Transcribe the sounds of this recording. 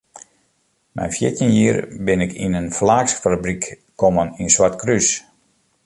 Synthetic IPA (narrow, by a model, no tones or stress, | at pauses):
mʔɛ̰jnfjɪtjənjiːərbɪnɪkʰḭnənflaːksfabrikː | ɔməninswartkrys